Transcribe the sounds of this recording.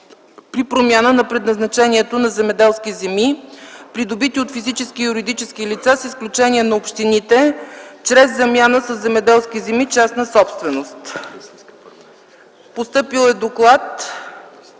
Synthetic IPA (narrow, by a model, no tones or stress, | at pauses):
pɾipɾomjanənɐpɾɛd̪nɐznɐt͡ʃɛniɛt̪onɐzɛmɛd̪ɛlˠskizɛmipɾid̪obit̪iot̪fizit͡ʃɛskijuɾid̪it͡ʃɛskilit̪sasisklʲut͡ʃɛnʲiɛnɐopʃt̪init̪ɛt͡ʃɾɛzːɐmʲjanəsəzːɛmɛd̪ɛlˠskizɛmit͡ʃasnəsɔpst̪vɛnost̪ | post̪ɤpilˠɛd̪oklˠat̪